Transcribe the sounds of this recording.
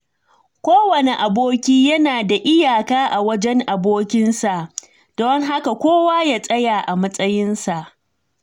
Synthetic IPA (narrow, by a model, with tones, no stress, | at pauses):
kʷoː˦wɐ˨ne˨ʔa˨boː˦kʲiː˦jɐ˦naː˨da˨ʔɪ˦jaː˨kaː˦ʔa˨wɐ˦d͡ʒɛ˦ŋʔa˨boː˦kʲɪ˦nsa˨ʔ | d̥ɔ˦ŋɦa˦ka˨kʷoː˦waː˦ja˦sʼɐ˦jaː˨ʔa˨mɐ˦sʼɐ˦jɪ˦nsa˨ʔ